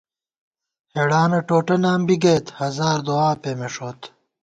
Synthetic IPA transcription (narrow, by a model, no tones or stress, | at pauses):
heɽaːnɐʈoːʈɐnaːmbiɡeːt̪hɐzaːɾd̪oaːpemeʂoːt̪